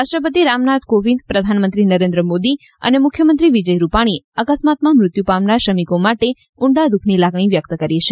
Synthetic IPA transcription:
ɾaʃʈɾəpət̪̬iɾamnat̪koʋind̪pɾəd̪ʱanmənt̪ɾinəɾend̪ɾəmod̪i | ə̰nemʊkʰjəmənt̪ɾiʋid͡ʒəjɾupaɽ̃iəkəsmat̪mamɾʊt̪jupamnaʃəmikomaʈe | ʊɳɖad̪ukʰnilaɡɳ̃iʋjək̚t̪kəɾjit͡ʃʰe

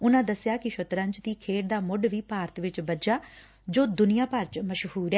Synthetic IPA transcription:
ʊnãːd̪əsɪjaːkɪʃʊt̪ɾə̃ɲd͡ʒt̪iːkʰeːʈd̪aːmʊɖʋiːpaːɾət̪ʋɪt͡ʃbəd͡ʒaː | d͡ʒoːd̪ʊnɪjãːpəɾt͡ʃməʃhuːɾɛː

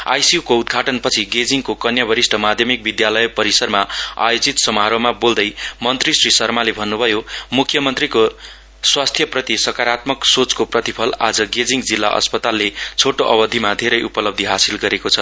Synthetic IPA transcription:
a̰jsiukoud̪ɡʱaʈʌnpʌt͡sʰiɡed͡ziŋkokʌnjʌbʱʌɾisʈʰʌmad̪ʱjʌmik̚bid̪jalʌjpʌɾisʌrmaa̰jod͡zit̪sʌmɦaɾomabold̪ʌjmʌnt̪risrisʌrmalebʱʌnːubʱʌjomukʰːjʌmʌnt̪riko | swast̪ʰjʌprʌt̪isʌkaɾat̪mʌksot͡skoprʌt̪ipʰʌla̰d͡zʌɡed͡ziŋɡd͡zilːa̰ʔʌ̰spʌt̪alːet͡sʰoʈoʔʌbʌd̪ʱimad̪ʱeɾʌjupʌlʌb̚d̪ʱiɦasilɡʌɾekot͡sʰʌ

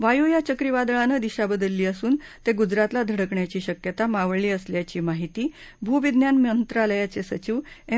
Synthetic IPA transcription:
ʋajujat͡ɕəkɾiʋad̪ɭanəd̪iɕabəd̪əlːiːəsuːnt̪eɡud͡zɾat̪lad̪ʱəɽəkɳjat͡ɕiːɕəkjət̪amaʋɭɭiːəsljat͡ɕiːmaɦit̪iː | bʱuʋid̪njanmjənt̪ɾaləjat͡sesət͡ɕiʋe

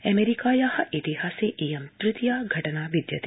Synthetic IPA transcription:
ɛmeɾikaːjahɐʔit̪iɦaːseːʔejɐmt̪ɾɪt̪jaːɡʱɐʈɐnaːʋid̪jɐt̪i

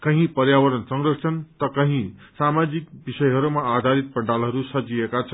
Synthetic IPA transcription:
kʌɦĩpʌɾjawʌɾʌnsʌŋɡɾʌsʰʌnt̪ʌkʌɦĩsamad͡zik̚bisʌjɦʌɾumaad̪ʱaɾit̪̚pʌɳɖalɦʌɾusʌd͡zijekat͡sʰʌn

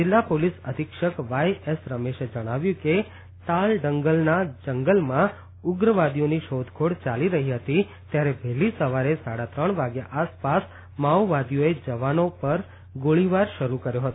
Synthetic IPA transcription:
d͡ʒɪlːapolisəd̪ʱikʃəkʋajesɾəmeʃed͡ʒəɽ̃aʋjũke | t̪alɖəŋɡəlnad͡ʒəŋɡəlmã | ʊɡɾəʋad̪ijoniʃod̪ʱkʰoɽt͡ʃaliɾəɦiɦət̪i | t̪jaɾebʱɛɦlisəʋaɾesaɽat̪ɾəɳ̃ʋaɡjaʔaspas | mawʋad̪ijoed͡ʒəʋanopəɾ | ɡoɭiʋaɾʃəɾukəɾjoɦət̪oo

